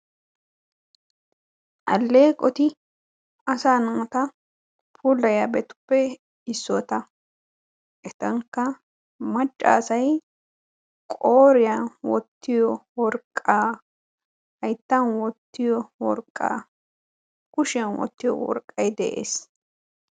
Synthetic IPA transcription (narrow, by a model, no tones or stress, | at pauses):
ʔɐ̰lːeːkʼɔt̪ɪ | ɐsaːnɐt̪ɐ | pʰuːlːɐjabɛt̪ʊ̥pːɛ | ɪsːɔt̪ɐ | ʔɛt̪ɐŋkːɐ | mɐt͡ʃʼːa̰ːsɐj | kʼoːɾɪjɐwɔt̪ːɪjɔwɔɾkʼːaː | ɐjt̪ːɐnwɔt̪ːɪjɔwɔɾkʼːa̰ː | kʊʃɪɐnwɔ̰t̪ːɪjɔ̰wɔ̰ɾkʼːɐjd̪ɛʔḛːs